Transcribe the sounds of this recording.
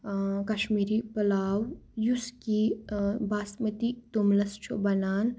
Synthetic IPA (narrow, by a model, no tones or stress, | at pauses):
kɐʃmiːɾipɐlaːwjuskibaːsmɐt̪it̪umlɐst͡ʃʰobɐnaːn